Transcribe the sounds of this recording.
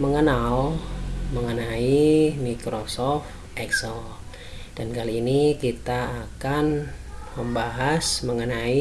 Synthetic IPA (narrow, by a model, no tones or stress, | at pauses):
məŋənalməŋənaimikɾosɔf | ʔɛksəl | d̥ankaliːnikit̪aːkan | məmbaɦasməŋənai